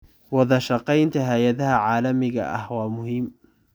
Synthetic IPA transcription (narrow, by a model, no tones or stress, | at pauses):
wɑðˤɑʃɑqɑjnt̪aɦajad̪haʕaːlamɪɣa̰ʔa̰hwaːmʊhɪmː